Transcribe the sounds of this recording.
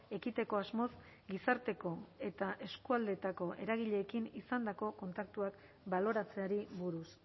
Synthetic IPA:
e̞kit̪e̞ko̞azmo̞s | ɡisaɾt̪e̞ko̞e̞t̪aʔe̞skuald̪e̞t̪ako̞ʔe̞ɾaɣ̞iʎe̞ːkinisand̪ako̞ko̞nt̪ak̚t̪uak | balo̞ɾat͡se̞aɾiβuɾus

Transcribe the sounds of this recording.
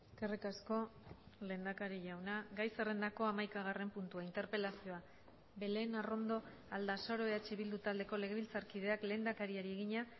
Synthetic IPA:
eskerikasko̞le̞nd̪akaɾiʝawnaɡajsere̞nd̪ako̞amajkaɣ̞are̞mpunt̪uaint̪e̞ɾpe̞lasio̞a | be̞le̞naro̞nd̪o̞ | ald̪asaɾo̞eat͡ʃeβild̪ut̪ald̪e̞ko̞le̞ɣe̞βilt͡saɾkið̞e̞akle̞nd̪akaɾiaɾie̞ɣiɲa

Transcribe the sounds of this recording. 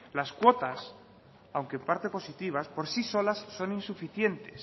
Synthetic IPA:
laskwo̞t̪as | awŋkempaɾt̪e̞po̞sit̪iβ̞aspo̞ɾsiso̞lasːo̞ninsufiθje̞nt̪e̞s

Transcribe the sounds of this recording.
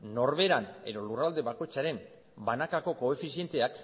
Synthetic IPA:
no̞ɾβe̞ɾane̞̰ðo̞lurald̪e̞βako̞jt͡saɾe̞m | banakako̞ko̞e̞fisie̞nt̪e̞ak

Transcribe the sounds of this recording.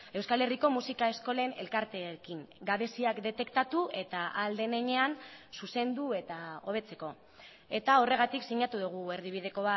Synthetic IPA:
e̞wskale̞riko̞musikaesko̞le̞ne̞̰lkaɾt̪e̞kiŋɡaβe̞siakd̪e̞t̪e̞kt̪at̪ue̞t̪aʔald̪e̞neɲe̞ansuse̞nd̪ue̞t̪ao̞β̞e̞t͡se̞ko̞ | e̞t̪ao̞re̞ɣ̞at̪iksiɲat̪uðuɣ̞ue̞ɾðiβ̞ið̞e̞ko̞βa

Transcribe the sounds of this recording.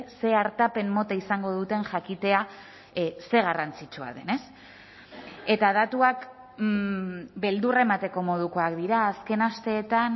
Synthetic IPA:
se̞aɾt̪ape̞mːo̞t̪aisaŋɡo̞ð̞ut̪e̞nʝakit̪e̞a | se̞ɣ̞arant͡sit͡ʃua̰ðe̞ne̞s | e̞t̪aðat̪uak | be̞ld̪ure̞mat̪e̞ko̞mo̞ð̞uko̞akd̪iɾaːske̞nast̪e̞ːt̪an

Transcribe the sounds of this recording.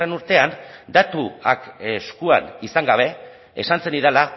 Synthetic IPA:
e̞nuɾt̪e̞and̪at̪ua̰keskua̰nisaŋɡaβ̞e̞ | e̞̰sanse̞niɾela

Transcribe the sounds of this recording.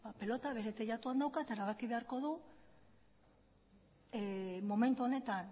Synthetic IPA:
bape̞lo̞t̪aβe̞ɾe̞t̪eʎat̪uand̪awkaet̪aeɾaβakiβe̞aɾko̞ðu | mo̞me̞nt̪uo̞ne̞t̪an

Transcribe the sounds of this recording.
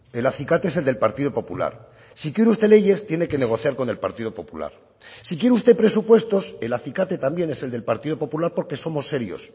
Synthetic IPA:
e̞laθikat̪ee̞seld̪e̞lpaɾt̪ið̞o̞po̞pula̰ɾ | sikjeɾeust̪e̞le̞ʝe̞st̪je̞ne̞ke̞ne̞ɣ̞o̞θjaɾko̞ne̞lpaɾt̪ið̞o̞po̞pula̰ɾ | sikjeɾust̪e̞pɾe̞supwe̞st̪o̞se̞laθikat̪e̞t̪ambje̞ne̞se̞ld̪e̞lpaɾt̪iðo̞po̞pulaɾpo̞ɾke̞so̞mo̞sːe̞ɾjo̞̰s

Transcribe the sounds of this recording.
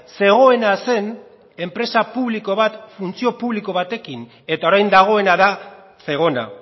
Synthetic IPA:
se̞ɣ̞o̞e̞nase̞n | e̞mpɾe̞sapuβliko̞β̞at̪funt͡sio̞puβliko̞β̞at̪e̞kin | e̞t̪ao̞ɾajnd̪aɣ̞o̞e̞naða | se̞ɣ̞o̞na̰

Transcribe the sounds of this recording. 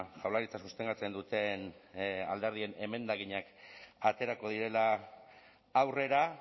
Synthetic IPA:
ʝawlaɾit͡sasust̪e̞ŋɡat͡se̞nd̪ut̪e̞na̰ld̪e̞ɾð̞ie̞ne̞me̞nd̪aɣiɲakat̪e̞ɾako̞ð̞iɾe̞laː | wre̞ɾa

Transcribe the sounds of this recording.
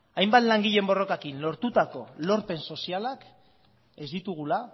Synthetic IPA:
ajmbat̪laŋɡiʎe̞mbo̞ro̞kakinlo̞ɾt̪ut̪ako̞lo̞ɾpe̞nso̞sialak | e̞zd̪it̪uɣ̞ula

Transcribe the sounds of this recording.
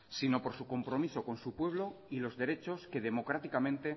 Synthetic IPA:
sino̞po̞ɾsuko̞mpɾo̞miso̞ko̞nsupwe̞β̞lo̞ilo̞zðe̞ɾe̞t͡ʃo̞ske̞ðe̞mo̞kɾat̪ikamẽ̞nt̪e̞

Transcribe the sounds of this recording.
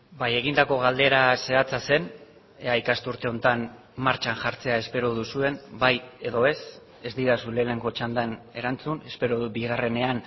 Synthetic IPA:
baje̞ɣind̪ako̞ɣ̞ald̪e̞ɾase̞at͡sase̞n | aikast̪uɾt̪e̞o̞nt̪an | maɾt͡ʃanʝaɾt͡se̞ae̞spe̞ɾoðusue̞nbaje̞ðo̞e̞s | e̞zd̪iɾasule̞ːne̞ŋɡo̞t͡ʃand̪ane̞ɾant͡sune̞spe̞ɾoðubiɣare̞ne̞an

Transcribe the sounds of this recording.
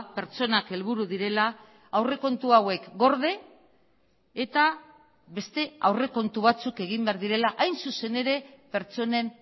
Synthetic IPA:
pe̞ɾt͡so̞nake̞lβ̞uɾuðiɾe̞laː | wre̞ko̞nt̪uawe̞kɡo̞ɾðe̞ | t̪a | βe̞st̪e̞awre̞ko̞nt̪uβ̞at͡suke̞ɣ̞imbe̞aɾðiɾe̞laʔajnsuse̞ne̞ɾe̞pe̞ɾt͡so̞ne̞n

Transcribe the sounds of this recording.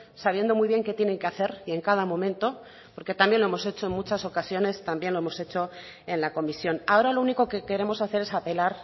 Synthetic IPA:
saβ̞je̞nd̪o̞mujβje̞ŋke̞t̪jene̞ŋke̞aθe̞ɾie̞ŋkaðamõ̞mẽ̞nt̪o̞ | po̞ɾke̞t̪ambje̞nloe̞mo̞se̞t͡ʃo̞e̞nmut͡ʃaso̞kasjo̞ne̞st̪ambje̞nloemo̞se̞t͡ʃo̞ | e̞nlako̞misjo̞nao̞ɾalo̞uniko̞ke̞ke̞ɾe̞mo̞saθe̞ɾesape̞laɾ

